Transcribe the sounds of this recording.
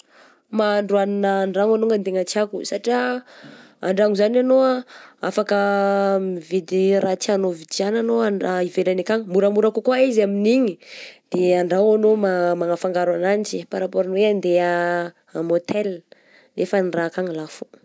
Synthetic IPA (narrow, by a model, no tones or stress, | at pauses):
maɳɖ͡ʐuaninaːɳɖ͡ʐaŋanuŋɡant̪eŋat͡siakusaʈ͡ʂia | aɳɖ͡ʐaŋuzananoaa̰fakəmivid̪iɾat͡sianovit͡siananoaɳaivelanekaŋəmuɾəmuɾakukwaizaminiɲid̪̥eaɳɖ͡ʐawanomamaŋafaŋɡaɾanant͡ʃipaɾapoɾinweand̪ea | mot̪ʰɛl | lʔefənirakaŋəlafo̥